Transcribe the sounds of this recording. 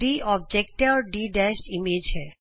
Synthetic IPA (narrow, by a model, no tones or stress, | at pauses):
iʔɔb̚d͡ʑek̚ʈeɔɾɖiɖɛsʈimed͡ʑeɾ